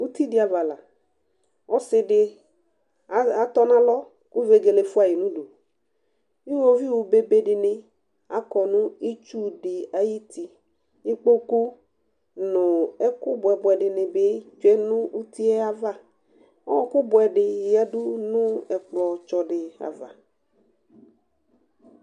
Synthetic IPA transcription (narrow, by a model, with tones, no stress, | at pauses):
wu˦t̪i˦dɪ˨˦a˨va˨la˨ | ɔ˦sɪ˦ɖɪ˨˦ | a˨t̪ɔ˦nã˦lɔ˦ | ku˦ve˨˦ɡe˨le˨fu˦a˨ji˨nũ˦ɖo˨ | i˦wo˦vi˦wu˨be˨be˦ɖɪ˨nɪ̃˨ | a˦kɔ˨nũ˦i˦t͡ʃu˦ɖɪ˨a˨ji˦t̪i˨ | ni˦k͡po˦ku˦ | nʊ̃˨ɛ˦kʊ˦bɔ˨ɛ˨bɔ˨ɛ˨ɖɪ˨nɪ̃˨be˦t͡ʃu˦ɛ˦nũ˦u˦t̪i˦ɛ˦a˦va˦ | ɔ˦ɔ˦kʊ˦bɔ˨˦ɛ˨ɖɪ˨ja˦ɖʊ˦nũ˦ɛ˨k͡plɔ˨t͡ʃɔ˨ɖɪ˨a̰˨va̰˨